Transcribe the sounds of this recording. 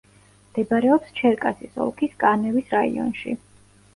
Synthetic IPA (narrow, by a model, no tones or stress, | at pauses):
md̪̥ɛbaɾɛɔpst͡ʃʰɛɾkʼasisɔ̰lˠkʰiskʼanɛvisɾaḭɔ̰nʃḭ